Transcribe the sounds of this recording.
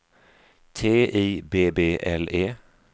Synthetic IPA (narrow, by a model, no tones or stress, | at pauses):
t̪ʰeːʔiːbeːbeːʔɛleː